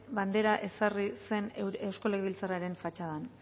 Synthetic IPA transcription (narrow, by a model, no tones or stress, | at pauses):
βand̪e̞ɾaʔe̞sarise̞newsko̞leɣβilt͡saraɾe̞ɱfat͡ʃaðan